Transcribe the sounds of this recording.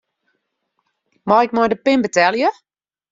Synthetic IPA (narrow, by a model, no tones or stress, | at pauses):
maɪk̚mɔjdəpɪnbətɛlˠjə